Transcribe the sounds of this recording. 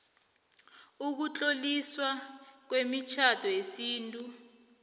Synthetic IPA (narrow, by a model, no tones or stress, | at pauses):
uk̬ut͡ɬʼoliswak̬wemit͡ʃʰad̥ʱɔjesiːntʼu